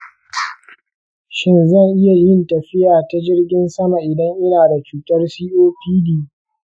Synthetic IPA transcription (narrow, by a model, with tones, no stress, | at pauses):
ʃɪ˦nzɐ˦˨ŋʔɪ˦ja˨jɪ˦ntɐ˨ɸɪ˦jaː˨ta˦d͡ʒɪ˦rɡʲɪ˦nsɐ˦ma˨ʔɪ˨dɐ˦ŋʔɪ˦naː˨da˨t͡ʃuː˨tɐ˦rsiː˦ʔoː˦piː˦diː˦